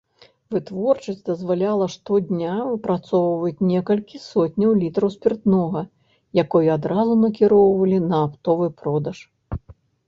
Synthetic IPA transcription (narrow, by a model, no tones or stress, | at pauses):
vɨt̪vɔrt͡ʂɐsʲtʲd̪ɐzvalʲalˠɐʂt̪ɔd̪ʲnʲavɨpɾat̪sɔwvɐt͡sʲnʲɛkɐlʲkʲisɔtʲnʲɐwlʲit̪ɾɐwsʲpʲirt̪nɔɣɐ | jakɔjad̪ɾazunɐkʲiɾɔwvɐlʲinɐːpt̪ɔvɨpɾɔd̪ɐʂ